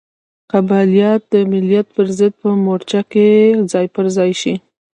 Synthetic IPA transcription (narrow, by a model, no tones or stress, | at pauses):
qabalijɑt̪̚d̪əmɪljat̪̚pəɾzəd̪̚pəmoɾt͡ʃaked͡zɑjpəɾzɑjʃi